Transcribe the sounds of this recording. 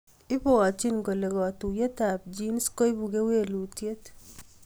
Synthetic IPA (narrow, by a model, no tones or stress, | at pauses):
ɪpɔat͡ʃinkolekɔtujetap̚d͡ʒinskojbukewelutjet